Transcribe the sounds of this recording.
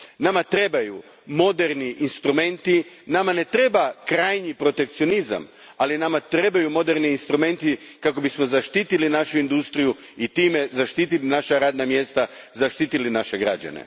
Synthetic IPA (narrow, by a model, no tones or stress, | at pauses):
namat̪ɾe̞baju | mo̞d̪eɾniʔinst̪ɾume̞nt̪inamane̞t̪ɾe̞bakɾaːjɲipɾo̞t̪e̞k̚t̪sijo̞niza̰malinamat̪ɾe̞bajumo̞d̪e̞ɾniːnst̪ɾume̞nt̪ikako̞bismo̞zaʃt̪iːt̪ilinaʃuind̪ust̪ɾiju | it̪ime̞zaʃt̪iːt̪ilinaʃaɾaːd̪namje̞st̪azaʃt̪it̪ilinaʃe̞ɡɾa̰d͡ʑa̰nḛ